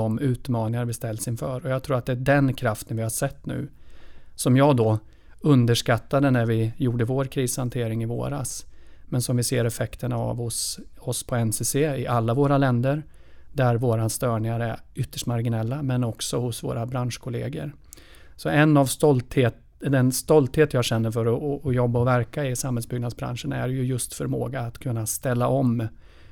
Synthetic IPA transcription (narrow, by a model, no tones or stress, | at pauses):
ɔmʉ̟ːt̪mɑːnɪŋaɾbɪst̪ɛld̪sɪnfœːɾɔjɑɡt̪ʰɾuːat̪d̪ɛæɖɛnkʰɾaft̪ənvɪhaʂɛt̪ːnʉ̟̰ː | sɔmjɑːɡd̪ɔ | ɵnd̪əʂkat̪ːad̪ənæɾvɪjuːɖəvoːɾkʰɾiːshant̪ʰeːɾɪŋɪvo̰ːɾa̰smɛnsɔmvɪseːɾɛfɛkt̪ənaa̰vhʊsɔspʰɔɛnseseːɪʔalːavoːɾalɛnd̪əɾ | d̪æɾvoːɾast̪œːɳɪŋaɾæɾʏt̪ːəʂʈmaɾɡɪnɛlːamɛnɔksɔhʊsvo̰ːɾabɾanʂkʰʊlḛːɡə̰ɾ | sɔɛnːavst̪ɔlt̪heː | d̪ɛnst̪ɔlt̪heːt̪jɑːɡɕɛnːəɾfœɾɔːjɔbːaɔvæɾkaɪsamhɛlsbʏɡnad̪sbɾa̰nʂənæ̰ɾjɵjɵst̪fœɾmo̰ːɡaːt̪kʰɵnːast̪ɛlːaʔɔm